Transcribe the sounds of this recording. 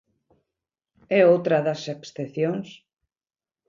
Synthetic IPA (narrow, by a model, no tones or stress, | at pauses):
ɛowt̪ɾɐðɐseksθeθjoŋs